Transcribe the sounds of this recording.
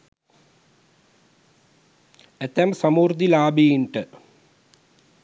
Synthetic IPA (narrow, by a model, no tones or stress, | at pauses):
et̪ːɐmsɐmuːrd̪ilaːbiːiɳʈɨ